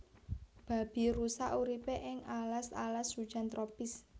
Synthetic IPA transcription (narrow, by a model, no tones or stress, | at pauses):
b̥a̤b̥i̤ɾusaʔuɾipeʔɪŋalasa̰lasu̥ʒ̥a̤nt̪ɾopɪs